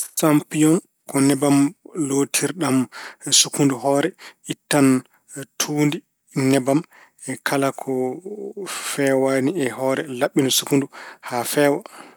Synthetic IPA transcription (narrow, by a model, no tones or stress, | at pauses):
sampijɔn | kɔnɛbamlotʰiɾɗamsukunduɦɔːɾɛʔitːan | tʰuːndi | nɛbam | ɛkʰalakʰɔ | fɛwaniɛhɔːɾɛlaɓːinɔsukunduhafɛːwa